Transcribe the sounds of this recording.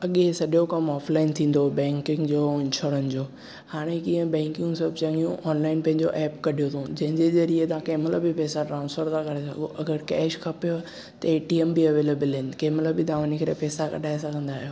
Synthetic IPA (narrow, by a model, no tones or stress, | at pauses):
ɐɠesɐɗokɐmɔːflaːɪnt̪ʰĩːn̆d̪obɛ̃ːŋkɪ̃ŋɡd͡ʑoːɪ̃nʃoːɾənd͡ʑoː | haːɽ̃ekĩːə̃bɛ̃ːŋkɪ̃ŋsɐbʱt͡ɕɐ̃ŋijũʔɔːnlaːɪnpɐ̃ɦɪ̃ɲd͡ʑoʔɛːpkɐɗijot̪ʰõd͡ʑɐ̃ɦɪ̃ɲd͡ʑezɐɾiet̪ɐãkeːmɪləbɪpɛːsaɖɾaːʊ̃nsfəɾt̪ʰãkɐɽesɐ̰ɡoʔɐɡəɾkɛːʃkʰɐpijo | t̪ɐeːʈiɛmbiɐʋeːlebɪlɦɪnɪ̆keːmɪləbɪd̪aːʋənikɐɾepɛːsakɐ̰ɗaːɪs̬ɐɡʱə̃nd̪aːɦijoː